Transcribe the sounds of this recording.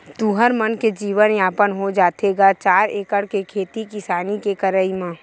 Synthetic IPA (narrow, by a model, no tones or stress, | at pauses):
t̪uːɦəɾmənked͡ʒiːʋənjaːpənɦod͡ʒaːt̪eɡat͡ʃaːɾeːkəɽkekʰeːt̪ikɪsaːnikekəɾəimãː